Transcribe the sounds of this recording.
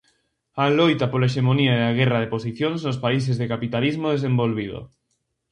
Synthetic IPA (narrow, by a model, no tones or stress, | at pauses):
alojt̪apolaeʃ̬emoniaeaɣ̞ɛraðeposiθjoŋznospais̬ezðekapit̪alizmoðes̬embolβið̞o̰